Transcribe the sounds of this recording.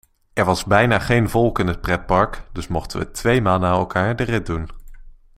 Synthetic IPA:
ʔɛɹʋɑzbɛjnaːχejnvɔlˠkɪnət̚prɛt̚pɑɹkd̥ɵsmɔχtəʋə̰tʋejmaːlˠnaːɛlˠkaːɹdərɪt̚dun

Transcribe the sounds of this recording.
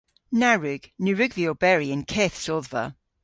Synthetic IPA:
naɹʉɡ̥nʉɹʉɡviobɛɹiə̃nkʰɛθsɔðvə̰

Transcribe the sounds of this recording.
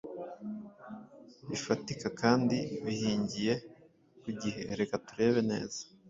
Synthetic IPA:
βifatikakaːndiβihiːɲɟije̞ | kuɟihe̞ɾe̞katuɾe̞βe̞ne̞̰ːz̥ḁ

